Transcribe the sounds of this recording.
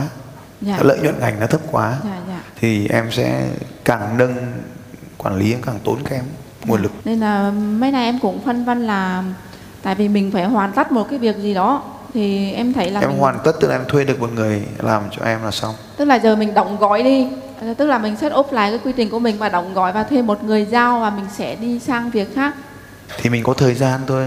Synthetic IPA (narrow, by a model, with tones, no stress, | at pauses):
zaː˧˨˦lə̰ː˧˨jɲwə̰˧˨nŋa˨˩jŋ̟nɔ˨˦t̪ʰə˦˥p̚kwaː˨˦zaː˧˨zaː˧˨t̪ʰi˨˩ʔɛ˧msɛ̰˧˥kaː˨˩ŋɗə˧n | kwaː˧˩nli˨˦ʔɛ˧mkaː˧˨˩ŋt̪o˨˦nka˨˦˨ʔɛ˧m | ŋu˨˩ənlɨ˨˩k̚ne˧nlaː˨˩mə˨˦jna˨˩jʔɛ˧mkʊ̰˧˥ŋ͡mfə˧nvə˧nlaː˨˩ | t̪a̰ː˧˨jvi˨˩mï˨˩ŋ̟faː˧˩jhwaː˨˩nt̪ə˦˥t̚mo˨˩kaː˨˦jvi˨˩ək̚zi˨˩ɗɔ˨˦ | t̪ʰi˨˩ʔɛ˧mt̪ʰə˨˦jlaː˨ʔɛ̰˧mhwaː˨˩nt̪ə˦˥t̪̚ɨ˦˥klaː˨˧ɛ˧mt̪ʰwe˧ɗɨ˨˩ək̚mo˨˩t̚ŋɨ˨˩əjla̰ː˨˩mt͡ɕɔ̰˧ʔɛ˧mlaː˨˩sa˧wt̪ɨ˦˥k̚laː˨˩zəː˨˩mï˨˩ŋ̟ɗə̰˧˨wŋ͡mɣɔ̰˧˨jɗi˧ | t̪ɨ˦˥k̚laː˨˩mï˨˩ŋ̟se˦˥t̚ʔo˦˥p̚la̰ː˧˨jkaː˨˦jkwi˧t̪ï˨˩ŋ̟ku˧˩əmï˨˩ŋ̟vaː˨˩ɗə̰˧˨wŋ͡mɣɔ̰˧˨jvaː˨˩t̪ʰwe˧mːo˨˩t̚ŋɨ˨˩əjzaː˧wvaː˨˩mï˨˩ŋ̟sɛ̰˧˥ɗi˧saː˧ŋvi˨˩ək̚xaː˦˥k̚ | t̪ʰi˨˩mï˨˩ŋ̟kɔ˨˦t̪ʰəː˨˩jzaː˧nt̪o˧j